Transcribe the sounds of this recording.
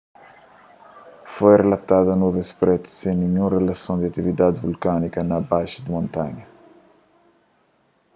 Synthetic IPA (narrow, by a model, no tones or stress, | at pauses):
fojrelat̪aðɐnuvespɾɛt̪sẽniɲũrelasõnd̪iɐt̪ivid̪ad̪vulkanikɐnɐbajʃɐd̪imõnt̪aɲɐ